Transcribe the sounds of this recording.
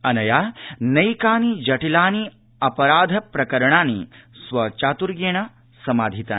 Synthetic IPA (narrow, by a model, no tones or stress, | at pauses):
ɐnɐjaːnɐjkaːnid͡ʒɐʈilaːni | ɐpɐɾaːd̪ʱɐpɾɐkɐɾɐɳaːnisʋɐt͡ʃaːt̪uɾɡjeɳɐ | sɐmaːd̪ʱit̪a̰